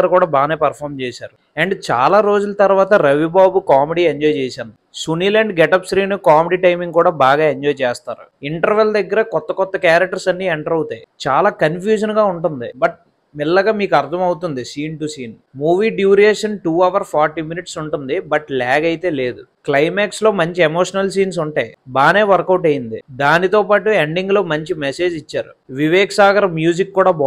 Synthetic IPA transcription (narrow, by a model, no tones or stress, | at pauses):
ɐɾukuːɽaːbaːneːpɐɾpʰaːɾmt͡ʃɛːsa̰ːɾu | ɐɳɖt͡ʃa̰ːlaːɾo̞ːd͡ʒulɐt̪ɐɾʋaːt̪ɐɾɐʋibaːbukaːmeɖiːeɲd͡ʒɔːjt͡ʃɛːsaːnusuniːleːɳɖɡɛʈɐpsɾiːnukaːmeɖiːʈɐjmiŋɡkuːɽaːbaːɡaːeɲd͡ʒɔːjt͡ʃɛːst̪aːɾṵiɳʈɐɾʋeld̪ɐɡːɐɾɐkɔt̪ːɐkɔt̪ːɐkjaːɾɐk̚ʈɐɾsɐnːiːeɳʈɐɾɐwt̪ajt͡ʃaːlaːkɐnpʰjuːd͡ʒɐnɡaːuɳʈund̪ibɐʈ̚ | milːɐɡaːmiːkuɐɾt̪ʰɐmɐwut̪und̪isiːnʈusiːn | muːʋiːɖjuːɾieːʂɐnʈuːɐʋɐɾpʰaːɾʈiːminiʈsuɳʈund̪ibɐʈlɛːɡɐjit̪e̞ːle̞ːd̪uklɐjmaːkslo̞ːmɐɲt͡ʃiemoːʂɐnɐls̬iːns̬uɳʈeːbaːne̞ːʋɐɾɐkɐwʈɐjind̪ḭd̪aːnit̪o̞ːpaːʈueɳɖiŋɡlo̞ːmɐɲt͡ʃimɛse̞ːd͡ʒit͡ʃːaːɾṵʋiʋɛːkɐsaːɡɐɾɐmjuːd͡ʒikːuːɽaːb